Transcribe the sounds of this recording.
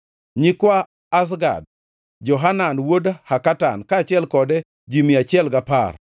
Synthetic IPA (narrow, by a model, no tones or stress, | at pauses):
ɲikwaː | s̬ɡa̰d̚ | d͡ʒɔɦananwodhakata̰nkaːt͡ʃɪɛlkɔdɛ | d͡ʒimiat͡ʃɪɛlɡapar